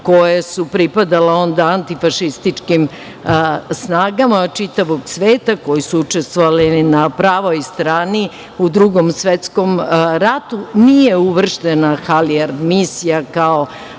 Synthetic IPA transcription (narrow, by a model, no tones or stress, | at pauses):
ko̞jesupɾipad̪aleo̞nd̪aant̪ifaʃist̪it͡ʃkim | snaːɡamat͡ʃit̪aʋo̞ɡsʋeːt̪ako̞jisuut͡ʃest̪ʋoʋalinapɾaːʋojst̪ɾaːni | ud̪ɾuɡomsʋet̪sko̞mɾat̪unije̞uʋr̩ʃt̪enaxaliaɾd̪misijakao